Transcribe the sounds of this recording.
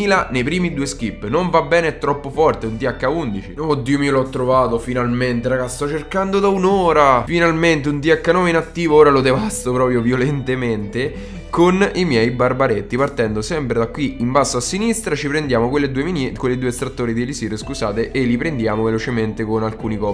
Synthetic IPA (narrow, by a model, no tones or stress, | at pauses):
iːlanejpɾiːmid̪uːesk̟ipːnoɱvabːɛːneɛt̪ːɾɔpːofɔrt̪eunt̪iakːaund̪it͡ʃiod̪ːiːomiːoloɔt̪ːɾovaːt̪ofinalment̪eɾaɡast̪ɔt͡ʃːerkand̪od̪aunoːɾafinalment̪eunt̪̬iakːanɔminat̪ːiːvooːɾalod̪evast̪opɾɔːpɾjovjolent̪ement̪e | konimjɛjbarbaɾet̪ːipart̪ɛnd̪osɛmpɾed̪akːwiimbasːoasːinist̪ɾat͡ʃipɾend̪jaːmokwelːed̪uːeminɛkwelːed̪uːest̪ɾat̪ːoːɾid̪ielisiːɾoskuzaːt̪eʔelːipɾend̪jaːmovelot͡ʃement̪ekonalkuːnikɔː